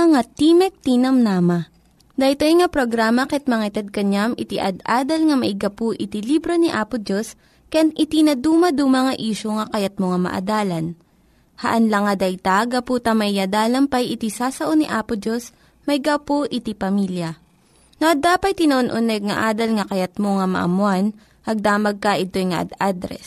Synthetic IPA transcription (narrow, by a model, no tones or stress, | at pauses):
ɐŋat̪iːmɛk̚t̪inɐmnaːmɐ | d̪ɐjt̪ojŋɐpɾoɡɾaːmɐkɛt̪̚mɐŋaɪt̪ɛd̪̚kɐɲamʔɪt̪iʔɐd̪ʔaːd̪ɐlŋɐmɐʔɪɡɐpoʔɪt̪ilibɾoniʔaːpʊd͡ʒos | kɐjanʔɪt̪inɐd̪uːmɐd̪umɐŋɐʔiːʃoŋɐkɐjat̪̚moŋamɐ̰ʔɐ̰d̪aːlɐn | hɐʔɐnlɐŋɐd̪ɐjt̪aɡɐpuːt̪ɐmɐʔad̪aːlɐmpɐjʔɪt̪isaːsɐʔoniʔaːpod͡ʒos | mɐʔɪɡapoʔɪt̪ipɐmiljɐ | noʔɐd̪aːpɐj̪̚t̪ɪnɐʔonʔonɛɡ̚ŋɐ̰ʔaːd̪ɐlŋɐkɐjɐt̪̚moŋɐmɐ̰ʔɐ̰mwan | ʔɐɡ̚d̪aːmɐɡ̚kɐʔɪt̪o̞jŋɐʔɐ̰d̪ad̪ɾɛ̰s